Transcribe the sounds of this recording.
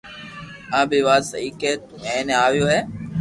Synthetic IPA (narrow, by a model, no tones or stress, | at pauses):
ãːbiːʋaːsə̰iːkeːt̪ | mɛ̃ːnẽaːʋijoːɦɛː